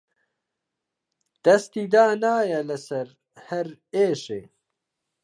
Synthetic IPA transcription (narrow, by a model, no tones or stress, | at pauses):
d̪̥ɐst̪iːd̪aːnaːjɐlɐsɐɾ | hɐɾeːʃḛː